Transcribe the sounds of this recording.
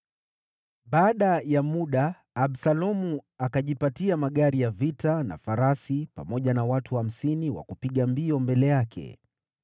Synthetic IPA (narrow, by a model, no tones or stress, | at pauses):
ɓaːɗajamuɗaː | ɓsalɔmuakaʄipatiamaɠaɾijavitana̰faɾasipa̰mɔʄanawatuham̩siniwa̰kupiɠambiɔmbɛlɛjakʰɛ̰